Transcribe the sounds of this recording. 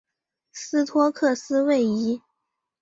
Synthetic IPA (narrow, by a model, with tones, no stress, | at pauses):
sɹ̩˥t̪ʰwɔ˥kʰɤ˥˩sɹ̩˥we˥˩ɪi˧˥